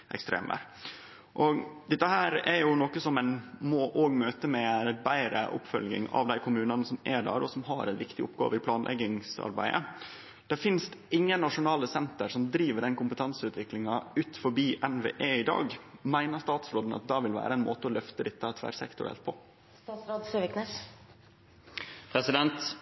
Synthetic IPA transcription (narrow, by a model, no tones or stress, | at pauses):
ʔɛ̰kst̪ɾḛːmʋæ̰ɾ | ʔɔɡd̪ɛt̪ːəhæːɾɛɾjʊnɔkəsɔmɛnmɔʔoːɡmøːt̪əmɛbæɪɾə̰ʔʊ̰pfœlɡɪ̰ŋɑ̰ʋd̪æɪkʰʊmʉːnɑnəsɔmɛɖæ̰ːɾɔsɔmɦɑɾɛnʋɪkt̪ɪʊpːɡɑ̰ːʋəɪpʰlɑːnlʔɛ̰ɡɪŋsɑ̰ɾbæ̰ɪə̰ | d̪̥ɛɾfɪnst̪ɪŋːənnːɑʂʊnɑːləsɛnt̪əɾʂɔmd̪ɾiːʋəɖɛnkʊmpət̪ʰɑnsəʉːt̪ʰʋɪklɪŋɑʉːt̪fɔɾbiːʔɛnʋḛːʔeːɪd̪ɑ̰ːɡmæɪnəʂt̪ɑːt̪sɾoːd̪n̩ɑ̰t̪̚d̪ɑʋɪlʋæ̰ːɾəɛnmoːt̪əɔlœft̪əd̪ɪt̪ːəɑt̪ʰʋæ̰ɾsɛ̰kt̪ʊɾɛ̰lt̪̚pʰɔ | st̪ɑːsɾod̪søʋɪknɛs | pʰɾɛsɪd̪ɛnt̪